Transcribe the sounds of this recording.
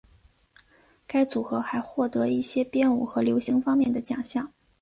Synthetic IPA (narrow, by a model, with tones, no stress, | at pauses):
ka˥ɪt͡su˨˩xɤ˧˥xa˧˥ɪxwɔ˥˩t̪ɤ˧˥i˥˩ɕjɛ˥pjɛ˥˩nu˨˩xɤ˧˥ljo˧˥ʊɕi˧˥ŋfɑ˥ŋmjɛ˥˩nd̪ə˩t͡ɕjɑ̰˨˩ŋɕjɑ˥˩ŋ